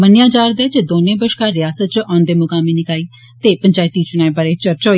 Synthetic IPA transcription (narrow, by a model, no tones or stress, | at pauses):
mənjãːd͡ʒaːɾd̪ɛːd͡ʒeːd̪oːnẽːbəʃkaːɾɪjaːsət̪̚t͡ʃʔɔ̃ːnd̪eːmʊkaːmiːnɪkaːiː | t̪eːpəɲd͡ʒaːɪt̪iːt͡ʃʊnaːbəɾeːt͡ʃəɾt͡ʃɦoː